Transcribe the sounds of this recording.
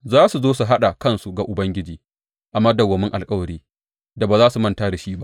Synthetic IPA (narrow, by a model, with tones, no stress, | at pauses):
zaː˦su˨zoː˦su˨ɦa˦ɗa˨kɐ˦nsu˨ɡa˨ʔʊ˨bɐ˦ŋɡʲɪ˦d͡ʒiː˨ | ʔa˨mɐ˦dɐ˨wːɐ˨mɪ˦ŋʔa̰˨lkʼɐ˦wɐ˨ɾiː˦ | da˨baː˨zaː˦su˨mɐ˦ntaː˦da˨ʃiː˦ba˦ʔ